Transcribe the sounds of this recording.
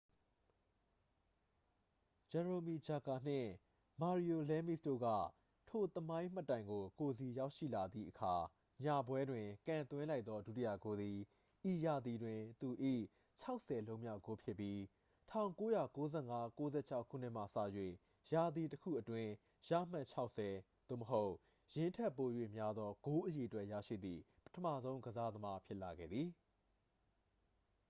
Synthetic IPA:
d͡ʑɛ˨ɹo˨mi˨d͡ʑa˨ɡa˨n̥ɪ̰̃˦˨ | ma˨ɹi˨o˨lɛ˦mḭ˦˨sdo̰˦˨ɡa̰˦˨ | tʰo˨t̪əmã˦ɪ̃m̥ə˦˨tːã˨ɪ̃ŋɡo˨ko˨zi˨ja˦ʊʔʃḭ˦˨la˨d̪ðḭ˦˨ʔəkʰa˨ | ɲa˨bwɛ˦dwɪ̃˨kã˨nt̪wɪ̃˦la˦ɪt̪ðɔ˦du˦ti˦jä̰˦˨ɡo˨˦d̪i˨ | ʔi˨ja˨d̪ði˨dwɪ̃˨t̪u˨ʔḭ˦˨ | t͡ɕʰa˦ʊʔsɛ˨lõ˦ʊ̃mja̰˦˨ɡo˨˦pʰjɪ˦pːji˦ | tʰã˦˨ʊ̃ŋko˦ja˨ko˦zɛ˦˨ŋa˦ko˦zɛ̰˦˨t͡ɕʰa˦ʊkʰṵ˦˨n̥ɪ˦ʔm̥a̰˦˨sä̰˦˨jwḛ˦˨ | ja˨d̪ði˨təkʰṵ˦˨ʔətwɪ̃˦ | ja̰˦˨m̥ã˦˨t͡ɕʰa˦ʊʔsɛ˨ | d̪̥o̰˦˨məɦo˦ʊʔ | jɪ̃˨ntʰɛ˦pːo˨jwḛ˦˨mja˦d̪ðɔ˦ɡ̥o˦ʔəje˨ətwɛ˦ʔja̰˦˨ʃḭ˦˨d̪ði˨ | pə̥tʰəmä̰˦˨zõ˦ʊ̃ŋɡəza˦d̪əma˦pʰjɪ˦ʔla˨ɡɛ̰˦˨d̪i˨

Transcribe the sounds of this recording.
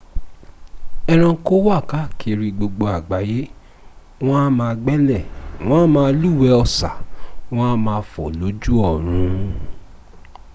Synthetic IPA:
ɛ˧ɾ̃ã˧˦ko˦wa˦˨ka˨˦kʰe˨˧˨ɾi˧ɡ͡bo˧ɡ͡bo˧a˨ɡ͡ba˨je˨˦ | w̃ɔ̃˦a˦mãː˧ɡ͡bɛ˦lɛ˦˨w̃ɔ̃˦mãː˧˦˧lu˦˨wɛ˧˦ɔ˧˨sa̰˨w̃ɔ̃˦mãː˧fɔ˨lo˨˦d͡ʒu˦ɔ˦˨ɾ̃ũ˨˦

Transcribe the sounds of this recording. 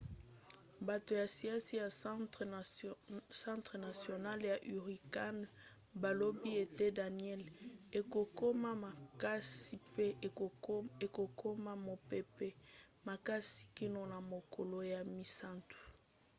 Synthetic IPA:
ba˨to˨ja˨si˨a˦si˦ja˨ | sã˦tʁə˨na˨sjo˨na˦lja˨ʔy˨ʁi˨ka˦n | ba˨lo˦bi˦e˨te˦da˨niɛ˦le˨ko˨ko˦ma˦a˨ka˦si˨pe˦˨e˨ko˨kʰo˦ma˦mo˨pe˦pe˦ | ma˨ka˦si̥˨ki˦no˨na˨mo˨ko˨lo˨ja˨mi˨sa˦ntu̥˨

